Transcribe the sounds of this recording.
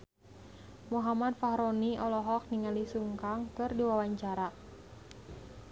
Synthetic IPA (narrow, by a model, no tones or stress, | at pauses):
muɦamad̚faɦɾɔniɔlɔɦɔk̚niŋalisuŋkaŋkɨrdiwawaɲt͡ʃaɾa